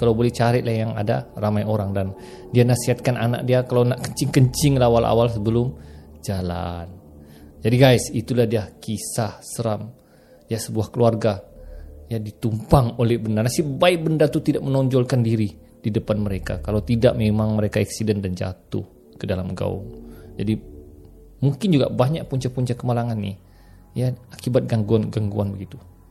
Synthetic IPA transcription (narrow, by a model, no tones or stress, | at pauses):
kalawbolɛht͡ʃaɾɪlahjaŋa̰daramajʔoɾaŋdan | dianasiɦat̪̚kanʔana̰k̚diakalawnaʔkəɲt͡ʃɪŋkəɲt͡ʃɪŋlaawalʔa̰walsəbəlʊmd͡ʒala̰n | d͡ʒadiɡajsit̪ulahdiakisahsəɾam | jasəbuahkəluarɡa | jadit̪umpaŋolɛhbəndarnasibaɪk̚bəndart̪ut̪idaʔmənɔɲd͡ʒɔlkandiɾi | d̥idəpanməɾeka̰kalawt̪idaʔmemaŋməɾekaɛksidɛndand͡ʒa̰t̪ʊ̰h | kədalamɡa̰ʊ̰ŋd͡ʒadi | muŋkɪnd͡ʒuɡa̰baɲaʔ̚puɲt͡ʃapuɲt͡ʃakːəmalaŋanːɪh | jaakibat̪̚ɡaŋɡuanɡaŋɡuanbəɡit̪u